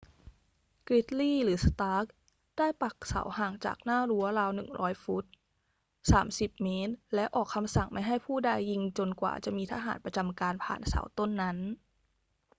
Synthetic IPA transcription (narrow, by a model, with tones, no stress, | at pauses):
kɾi˦˥t̪̚liː˥˩ɾɯː˩˦st̪aː˦˥k̚ | d̥aː˥˩jpa˨˩k̚sa̰˩˦whaː˨˩ŋt͡ɕa̰ː˨˩k̚naː˥˩ɾu˦˥ɐɾaː˧wnɯ˨˩ŋɾɔ̰ː˦˥jfu˦˥t̪̚ | saː˩˦msi˨˩p̚meː˦˥t̪̚lɛ˦˥wʔɔː˨˩kʰːa˧msa˨˩ŋma˥˩jɦa˥˩jpʰuː˥˩da˧jːi˧ŋt͡ɕo˧nkwa̰ː˨˩t͡ɕa˨˩ʔmiː˧t̪ʰaː˧ɦa̰ː˩˦npɾa˧t͡ɕa˧mkaː˧npʰa̰ː˨˩nsa̰ː˩˦wt̪o˥˩nːa˦˥n